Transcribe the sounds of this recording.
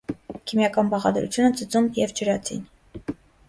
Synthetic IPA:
kʰimjɑkɑnbɑʁɑ̰d̪ɾṵt͡sʰjunət͡sʰət͡sumjɛvd͡ʒəɾɑt͡sʰḭn

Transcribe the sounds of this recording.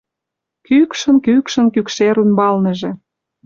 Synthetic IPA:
kykʃə̆nkykʃə̆nkykʃeɾunbɑlnĕʒĕ

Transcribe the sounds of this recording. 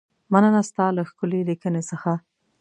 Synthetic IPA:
manənast̪ɑlaxkʊlelikənesəxa

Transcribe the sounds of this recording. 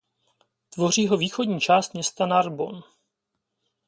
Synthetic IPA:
t̪vo̞r̝iːɦo̞viːxo̞dɲiːt͡ʃaːst̪̚mɲɛst̪anaɾbo̞n

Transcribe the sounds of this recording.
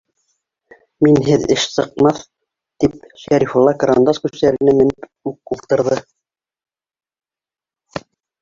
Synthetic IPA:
minɦɘðɘʃsɤ̆q̚mɑθ | t̪ip̚ʃæɾifulˠːɑkɾa̰nd̪oskʉʃt̪æɾɘ̆næmɘ̆nɘp | ʉk̚ulˠt̪ɤ̆ɾðɤ

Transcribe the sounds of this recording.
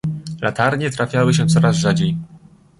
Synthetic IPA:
lʔat̪aɾɲɛt̪ɾafʲjawɘɕɛt̪sɔɾazʐad͡ʑej

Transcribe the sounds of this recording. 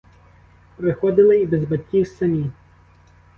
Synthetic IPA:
pɾɪxɔd̪ɪlˠɪibezbɐt̪ʲkʲiwsɐmʲi

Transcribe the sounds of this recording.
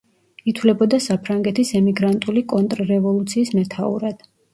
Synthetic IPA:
it̪ʰvlɛbɔd̪asapʰɾaŋɡɛt̪ʰisɛmiɡɾant̪ʼulikʼɔnt̪ʼɾɾɛvɔlˠut̪sʰiːsmɛt̪ʰaṵɾad̪̥

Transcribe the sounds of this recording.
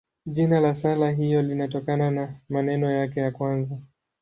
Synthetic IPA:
ʄinalasalaɦijɔlinatɔkananamanɛnɔjakɛjakwanza

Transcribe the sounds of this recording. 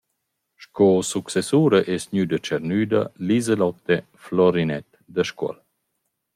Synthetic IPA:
ʃkɔsuksɛsuːɾəʔɛsɲyd̪ət͡ʃɛɾnyːd̪ɐ̰lizɛlɔt̪ːe | flɔɾinɛt̪ | d̪əʃkwɔ̰l

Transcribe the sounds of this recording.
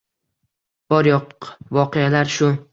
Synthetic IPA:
b̥ɒɾjɒqvɒqejalaɾʃʊ

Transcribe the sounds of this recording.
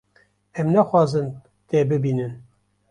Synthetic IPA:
ɛmnɛxwɑːzɨn | t̪eːbɨbiːnɨn

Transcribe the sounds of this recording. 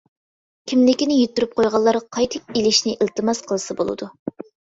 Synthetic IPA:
kʲʰimlɪkʲinɪjyt̪ʰːyɾyp̚qʰojʁɑlˠːɑɾqʰɑjt̪ʰɨk̚ilɪʃnɪʔɪlˠt̪ɨmɑsqʰəlˠɨsɨbo̰lˠɨ̰d̪u

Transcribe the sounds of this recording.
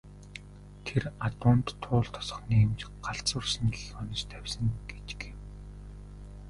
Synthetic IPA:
t̪ʰerat̪ʊːnt̪ʰːʊːɮt̪ʰɔ̥sɞ̥̆χniːmt͡ɕɢ̥aɬt͡sʊ̆ːrsn̆ɮɔnɞ̆t͡ɕt̪ʰæwʲsə̆ŋɡet͡ɕɪ̥̆ke

